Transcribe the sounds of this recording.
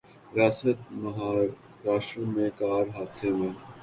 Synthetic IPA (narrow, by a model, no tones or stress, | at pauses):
ɾaːsət̪̚məɦaːɾ | ɾaːʃõmẽːkaːɾɦaːt̪ʰẽːmẽː